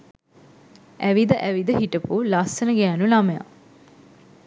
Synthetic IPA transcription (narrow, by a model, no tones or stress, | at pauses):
æʋid̪əʔæʋid̪əɦiʈəpulasːənəɡæːnulaməja̰